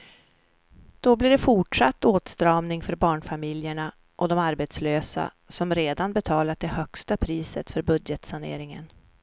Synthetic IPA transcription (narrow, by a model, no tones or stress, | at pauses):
d̪̥ɔblɪɖɛfʊʈʂat̪ːoːt̪st̪ɾɑːmnɪŋfœɾbɑːɳfamɪljəɳa | ʔɔd̪ɔmaɾbet̪sløːsa̰ | sɔmɾeːd̪anbɛt̪ʰɑːlat̪̚d̪ɛhœkst̪apʰɾiːsə̰t̪fœɾbɵd̪jət̪sanḛːɾɪŋə̰n